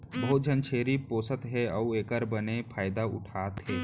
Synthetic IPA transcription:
bɐɦʊt̪̚d͡ʒʱənt͡ʃʰeːɾipoːsət̪ɦɛɔueːkəɾbənepʰaːɪd̪aʊ̰ʈʰaːt̪ɦɛː

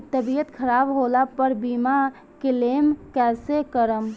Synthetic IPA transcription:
t̪əbijət̪kʰəɾabɦolapəɾbima | kelemkɛsekəɾəm

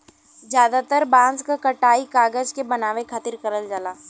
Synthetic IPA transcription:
zjaːd̪at̪əɾbãːnskakɐʈaːikaːɡəd͡ʒkebɐnaːʋẽkʰat̪ɪɾkɐɾəld͡ʒalaː

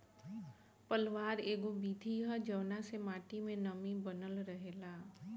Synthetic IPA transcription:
pəlʋaːɾeːɡõbiːd̪ʱiɦəd͡ʒəʋnasemaːʈimẽnəmibənəlɾəɦeːlaː

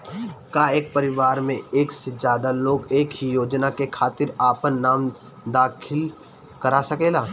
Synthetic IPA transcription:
kaːeːk̚pəɾɪʋaːɾmẽeːksed͡ʒjaːd̪aloːɡeːkɦijoːd͡ʒnakekʰaːt̪ɪɾaːpənːaːm | d̪aːkʰɪl | kəɾasɐkeːlaː

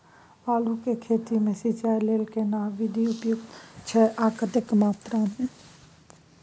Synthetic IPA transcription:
ʋaːlukekʰeːt̪imẽsit͡ʃaːileːlkenaːʋid̪iʊpjʊɡ̪t͡ʃʰɛʔaːkət̪əkmaːt̪ɾamẽ

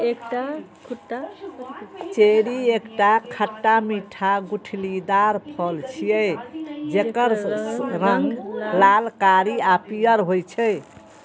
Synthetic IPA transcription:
ekʈa | t͡ʃeɾiekʈakʰəʈːamiʈʰaɡuʈʰlid̪aɾpʰɔlt͡ʃʰijɛjd͡ʒekəɾɾəŋɡlalkaɾiapijəɾɦojt͡ʃʰɛj

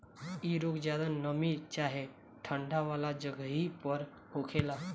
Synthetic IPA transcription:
iɾokd͡ʑad̪anəmit͡ɕaɦe | ʈʰəɳɖʱaʋalad͡ʑəɡʱɦiːpəɾ | hokʰela

